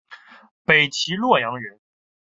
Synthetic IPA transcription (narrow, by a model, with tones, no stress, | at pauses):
pe˨˩ɪt͡ɕʰi˧˥lwɔ˥˩jɑ˧˥ŋɥɛ˧˥n